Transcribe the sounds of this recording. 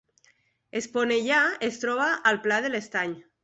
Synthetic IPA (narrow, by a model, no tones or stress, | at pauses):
esponeʎaest̪ɾɔβaʔːlplað̞elest̪aɲ